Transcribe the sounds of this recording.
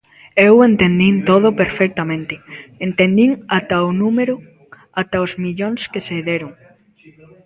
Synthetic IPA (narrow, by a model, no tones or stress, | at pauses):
ewent̪end̪int̪oð̞opeɾfek̚t̪amẽnt̪ɪent̪end̪iŋat̪aʊnũmeɾʊ | at̪aozmiʎoŋskeseðeɾʊŋ